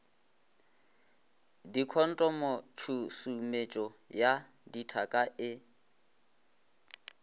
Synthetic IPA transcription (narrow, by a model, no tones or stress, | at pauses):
dikʰɔn̩tʼɔmot͡ʃʰusumet͡ʃʼɔja | ditʰakʼaʔɪ